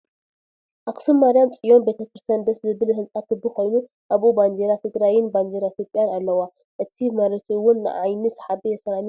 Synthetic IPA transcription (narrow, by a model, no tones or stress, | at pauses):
ʔaksumːaɾijamt͡sʼijo̞nbet̪ʰɐkɨɾsand̪ɐszɨβɨlhɨnt͡sʼakʰɨbːɨko̞jnu | ʔaβʔuband͡ʒeɾat̪ʰɨɡɾajɪnband͡ʒeɾait̪ijopʼjanalːɐwa | ʔɨt̪ʰimaɾɐt̪ʰiwːʊnːɨ̰ʔajnisħabijɛsɐɾani